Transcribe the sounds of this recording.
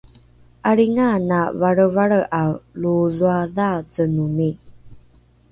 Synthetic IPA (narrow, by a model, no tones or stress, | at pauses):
ʔaɾiŋanavaɾəvaɭəʔawluzuaðazənuni